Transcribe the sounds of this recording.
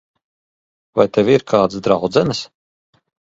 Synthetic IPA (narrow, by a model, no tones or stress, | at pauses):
vajt̪evʲiɾkʰaːd̪sd̪ɾawd̪zɛnɨs